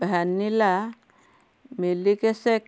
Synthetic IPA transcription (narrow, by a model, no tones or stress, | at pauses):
bʱanila | melikesek